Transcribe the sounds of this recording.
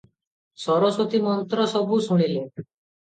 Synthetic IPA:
sɔɾɔswot̪imɔnt̪ɾɔsɔbʱusuɽ̃ile

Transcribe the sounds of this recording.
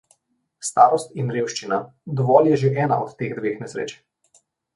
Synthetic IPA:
st̪aːɾɔst̪inɾeːwʃt͡ʃina | d̪ɔʋɔːljɛʒeʔɛːnaɔt̪ːeːɣd̪ʋeːxnɛsɾḛːt͡ʃɛ̥

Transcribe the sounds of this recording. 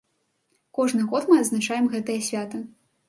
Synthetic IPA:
kɔʐnɨɣɔt̪mɨɐd̪znat͡ʂajɛmɣɛt̪ɐjɐsʲvʲat̪ɐ

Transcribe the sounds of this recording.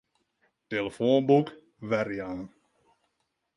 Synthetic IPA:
teləfoːnbuk | ʋɛɾjan

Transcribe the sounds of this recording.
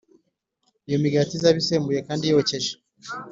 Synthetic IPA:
ijomiɡatizaβiseːmbuje̞kaːndijoce̞ʒe

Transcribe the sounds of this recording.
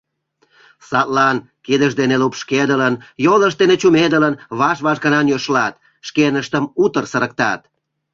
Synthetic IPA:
sɑt̪lɑn | kid̪əʃd̪enelupʃked̪ələnjoləʃtd̪enet͡ɕumed̪ələnβɑʃβɑʃɡɑnɑnjøʃlɑt̪̚ | ʃkenəʃt̪əmut̪ərsəɾək̚t̪ɑt̪

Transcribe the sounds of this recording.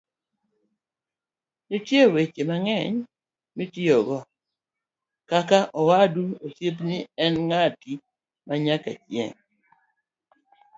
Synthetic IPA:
nitjewet͡ʃemaŋɛɲ | mitiɔɡɔ | kakaʔɔwaduosjep̬nɪɛnŋati | maɲaka̰t͡ʃjɛ̰ŋ

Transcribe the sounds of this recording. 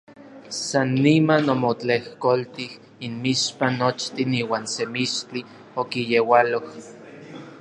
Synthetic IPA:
sanːimanomot͡ɬehkolt̪ih | inmiʃpanːot͡ʃt̪iniːwaːnsemiʃt͡ɬi | okijewaloh

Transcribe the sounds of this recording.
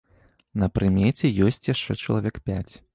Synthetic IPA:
nɐpɾɨmʲɛt͡sʲɛjɔsʲt͡sʲjaʂt͡ʂɛt͡ʂɐlˠavʲɛkpʲat͡sʲ

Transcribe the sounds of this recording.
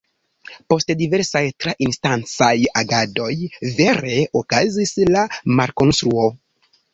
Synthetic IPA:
po̞stdive̞ɾsajtɾaʔinstant͡sajaɡado̞jve̞ɾe̞okazislamaɾko̞nst̪ɾuo̞

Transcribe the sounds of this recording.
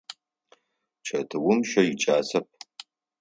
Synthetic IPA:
t͡ʃʰɐtʰɨwʊmʃɐjɪt͡ʃʼaːsɐp̚

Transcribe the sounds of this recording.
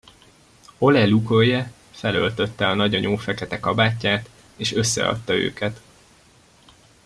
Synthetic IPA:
o̞lɛlukojɛ | fɛlø̞̰lt̪ø̞t̪ːɛɒnɒɟɒɲʔoːfɛkɛt̪ɛkɒbaːcːaːt̪ | eːʃø̞sːɛ̰ɒ̰t̪ːɒø̰ːkɛt̪

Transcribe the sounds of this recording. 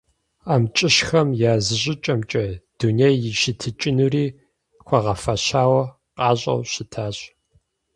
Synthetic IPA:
aːmt͡ʃʼɪɕxɐmjaːzɨʑʼɪt͡ʃʼɐmt͡ʃʼɐd̥unejːɪʃɪtʰɨt͡ʃʼɪnuriː | xʷʰɐʁɐfɐɕaːwɐ | qʼɑːɕʼɐ̰wɕɪtʰaːɕʼ

